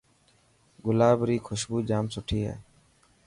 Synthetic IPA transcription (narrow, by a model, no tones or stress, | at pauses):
ɡʊlaːbɾiːkʰʊʃbuːd͡ʒaːmsʊʈʰiːɦɛ̰ː